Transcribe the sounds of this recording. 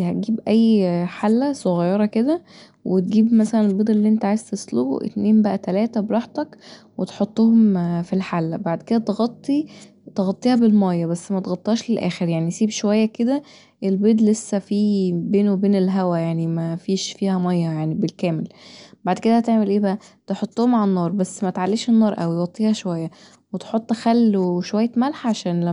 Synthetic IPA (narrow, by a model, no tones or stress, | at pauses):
hæt̪̚ɡiːbʔæjːħalːæsoɣɑjːɑɾˤɑked̪æ | wet̪̚ɡiːbmæsælænelbed̪ˤelːiːʔent̪æʕaːjez̥t̪esˤlo̰ʔḛt̪neːmbæʔæt̪ælæːt̪æbeɾˤɑːħt̪ɑk | wet̪ħot̪ˤːohomfilħalːæbaʕd̪ked̪æt̪eɣɑt̪ˤːi | t̪eɣɑt̪ˤːiːhæbelmɑjːɑbæsːmæt̪ɣɑt̪ˤːɑːʃlelʔæ̰ːxeɾjaʕnisiːbʃowæjːæked̪æ | ʔelbeːd̪lesːæfiːbeːnowebeːnelɦæwæjaʕnimæfiːʃfiːhæmɑjːɑjaʕnibelkæːmelbaʕd̪ked̪æt̪eʕmelʔeːbæʔæ | t̪eħot̪ˤːohomʕalænːɑːɾˤbæsːmæt̪ʕalːiːʃenːɑːɾˤʔæwiɣɑt̪ˤːiːhɑʃowæjːæ | wet̪ħot̪ˤːxælːoʃowæjːæmælħʕaʃæːnlæ